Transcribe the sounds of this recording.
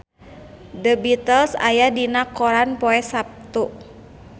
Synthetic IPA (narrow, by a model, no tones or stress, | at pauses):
dəbit̪əlsa̰jadinakɔɾanpɔɛsap̚t̪uʔ